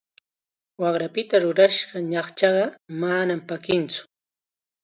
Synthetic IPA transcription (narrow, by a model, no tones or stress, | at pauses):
wɑχɾapɪt̪aɾʊɾaʃɢɑɲɑχt͡ʃɑɢɑmanampakɪnt͡sʊ̥